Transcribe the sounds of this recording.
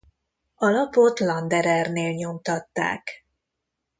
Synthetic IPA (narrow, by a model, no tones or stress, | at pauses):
ɒlɒpo̞t̪lɒnd̪ɛɾɛrneːlɲo̞mt̪ɒt̪ːa̰ːk